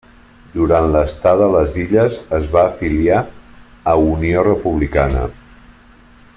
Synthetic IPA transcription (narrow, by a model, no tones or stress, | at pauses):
d̪uɾanləst̪aðələziʎəzəzβaːfilia | əuniorəpuβ̞likanə̰